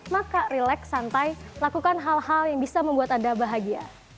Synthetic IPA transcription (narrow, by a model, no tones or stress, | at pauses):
makarilɛksant̪ajməlakukanɦalhaljaŋbisaməmbuat̪adabaɦaɡia